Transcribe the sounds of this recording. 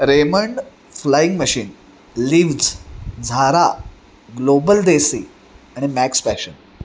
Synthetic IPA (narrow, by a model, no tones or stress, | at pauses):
ɾeməɳɖ | flaiŋɡməɕiːn | liʋd͡zd͡zʱaɾa | ɡlobəld̪esi | aɽ̃imækspæɕən